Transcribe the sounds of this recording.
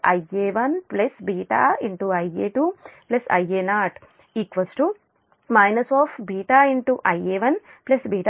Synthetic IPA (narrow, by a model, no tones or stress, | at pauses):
ɐ̰jeːʋɐnplesbiːʈa̰ːiɳʈuɐjeːʈuːplɐsɐ̰jeːnaːʈ | iːkʋɐsʈu | majnɐsaːfbiːʈaːiɳʈuʔɐjeːʋɐnplɐsbiːʈa